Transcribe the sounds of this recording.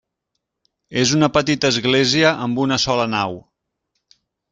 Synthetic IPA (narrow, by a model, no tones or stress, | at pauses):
ezunəpət̪it̪əːzɣleziəʔəmbunəsɔlənaw